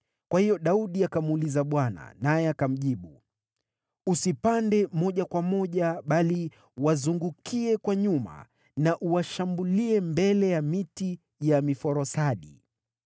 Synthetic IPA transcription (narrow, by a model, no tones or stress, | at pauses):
kwahijɔɗauɗiakamulizaɓwana̰najɛakam̩ʄiɓu | usipandɛmɔʄakwamɔʄaɓali | wazuŋɡukʰiɛkwaɲuma̰ | naʔuwaʃambuliɛmbɛlɛjamiti | jamifɔɾɔsaɗi